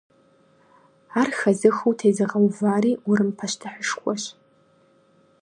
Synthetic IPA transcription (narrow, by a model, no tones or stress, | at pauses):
arxazɨxowtʰejzɨʁawvaɾiurɨmpʰaʃtʰɨħʷəʂkʷʼaʃʷ